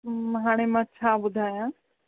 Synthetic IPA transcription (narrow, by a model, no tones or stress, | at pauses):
ɦaːɽ̃emãːt͡ɕʰaːɓʊd̪ʱaːjãː